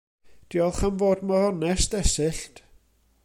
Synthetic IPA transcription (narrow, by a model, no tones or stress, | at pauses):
d̥iɔlˠχanvoːdmaɔnɛsdɛsɨɬt